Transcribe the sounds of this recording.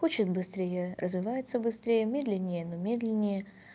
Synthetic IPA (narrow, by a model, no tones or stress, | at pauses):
xot͡ɕɪt̪bɨst̪ɾʲejərʔəzvʲɪvajɪt̪səbɨst̪ɾʲejəmʲed̪lʲɪnʲːɪjənomʲed̪lʲɪnʲːɪjə